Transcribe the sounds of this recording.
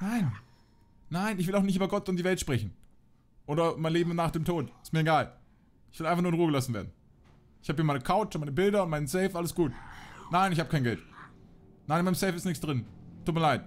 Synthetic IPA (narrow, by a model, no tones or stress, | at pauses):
naɪnː | aɪnɪçv̥ɪlaʊxnɪçtyːbɐɡɔtʊntd̥iːvɛltʃpʁ̥ɛçn̩ | ʔoːdɐmaɪnleːbm̩naːχd̥eːmtʰoːtɪstmiːɐeɡaːl | ʔɪçv̥ɪlʔaɪnfaχnuːɪnʁuːəɡəlasn̩vḛːɐdn̩ | ɪçhaːbəhiːɐmaɪnəkʰaʊt͡ʃmaɪnəbɪldɐʊntmaɪnənsɛɪfʔaləsɡ̥uːtnaɪnɪçhaːbə̥kʰaɪnɡɛlt | naɪnɪnmaɪəmsɛɪfɪstnɪçksd̥ʁɪntʰːuːtmiɐlaɪt